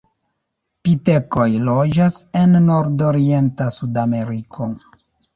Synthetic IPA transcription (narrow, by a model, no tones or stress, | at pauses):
pite̞ko̞jlo̞d͡ʒasenːo̞ɾdoɾie̞ntasudame̞ɾikʰo̞